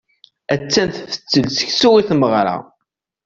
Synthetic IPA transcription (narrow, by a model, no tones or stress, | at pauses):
æt͡sːænθfə̥t͡sːəlsə̥çsuʁiθməʁɾa̰